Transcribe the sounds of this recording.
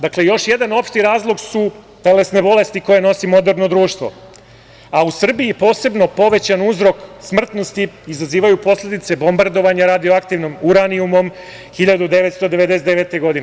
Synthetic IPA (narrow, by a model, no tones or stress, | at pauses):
d̪akle̞jo̞ʃje̞d̪ano̞pʃt̪iɾaːzlˠo̞ɡsu | t̪ele̞sne̞bo̞le̞st̪iko̞jeno̞simo̞d̪eɾno̞d̪ɾuːʃt̪ʋo̞̰ | ausr̩biipo̞ːse̞bno̞po̞ʋe̞t͡ɕanuzɾo̞ksmr̩t̪no̞st̪iːzaziːʋajupo̞slʲe̞d̪it̪se̞bo̞mbaɾd̪o̞ʋaɲaɾad̪ijoakt̪iʋnomuɾaniumo̞m | xiʎad̪ud̪e̞ʋet̪st̪o̞d̪eʋed̪esed̪eʋet̪eɡo̞d̪ine